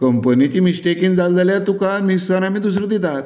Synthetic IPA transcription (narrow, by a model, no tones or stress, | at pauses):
kəmpənit͡ɕiːmisʈekĩŋd͡zald͡zaljat̪ukanmisanam̤iːd̪us̬ɾəd̪it̪at̪